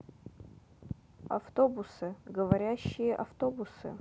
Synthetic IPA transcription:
ɐ̰ft̪o̞bʊsɨɡəvɐɾʲæɕːɪjəʔɐft̪o̞bʊsɨ̰

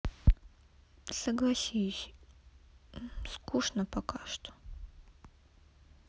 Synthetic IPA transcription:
sɐɡlˠɐsʲisʲ | skuʂnəpɐkaʂt̪o̥

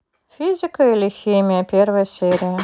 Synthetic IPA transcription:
fʲizʲɪkəilʲɪxʲimʲɪjəpʲervəjəsʲeɾʲɪjə

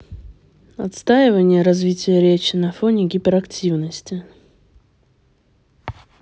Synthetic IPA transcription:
ɐt̪st̪aɪvənʲɪjəɾɐzvʲitʲɪjəɾʲet͡ɕɪnɐfonʲɪɡʲipʲɪɾɐktʲʰivnəsʲtʲɪ

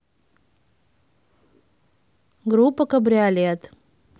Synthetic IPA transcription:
ɡɾupəkəbɾjaljat̪

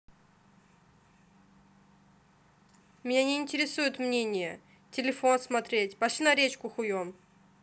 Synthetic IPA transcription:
mʲnʲanʲɪːnʲtʲɪɾʲɪsujʊt̪mnʲenʲɪjə | tʲɪlʲɪfonsmɐt̪ɾʲetʲpɐʃʲinɐɾʲet͡ɕkʊxʊjom

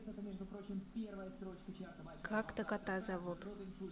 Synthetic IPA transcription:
sɛt̪əmʲeʐd̪ʊpɾot͡ɕɪmpʲervəjəst̪ɾo̞t͡ɕkət͡ɕart̪əmkakt̪əkat̪ɑzavot̪ot̪ənʲu

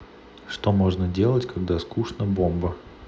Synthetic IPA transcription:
ʂt̪omo̞ʐnədʲe̞lˠətʲkɐɡd̪askuʂnəbombə

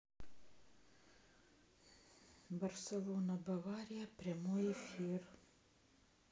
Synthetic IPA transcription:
bɐɾsʲɛlˠoːnɐbɐʋɑːɾʲɪjɛpʲɾʲiɛmoːjɛfʲiːɾ

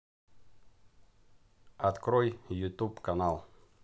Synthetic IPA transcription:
ɐt̪kɾojjʊt̪upkanalˠ

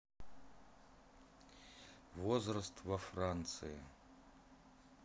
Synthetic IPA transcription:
vozrɐst̪ʰvɐfrant̪sʰɨja

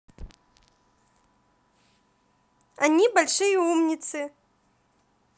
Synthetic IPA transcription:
anʲibalʲʂɨjɐumnʲit̪sɨ

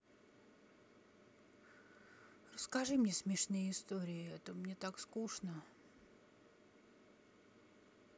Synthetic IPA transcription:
rəskɐʐɨmnʲesmʲɪʂnɨjəɪst̪oɾʲɪɪɛt̪əmnʲet̪akskuʂnə

